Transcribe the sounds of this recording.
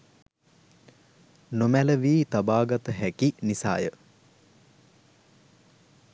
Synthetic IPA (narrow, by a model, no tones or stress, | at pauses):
nomæləʋiːt̪abaːɡat̪əɦækinisa̰ːjə